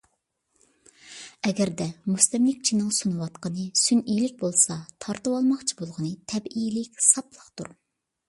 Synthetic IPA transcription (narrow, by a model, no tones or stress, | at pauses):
ɛɡʲɛɾd̪ɛmust̪ɪmlɪk̚ʲt͡ʃʰinɨŋsunɨwɑt̪qənɨsynijlɪk̚ʲbolˠsɑt̪ʰɑɾt̪ɨwɑlˠmɑχt͡ʃʰibolˠʁənɨt̪ʰɛbilɪkʲsɑplˠəqt̪ṵɾ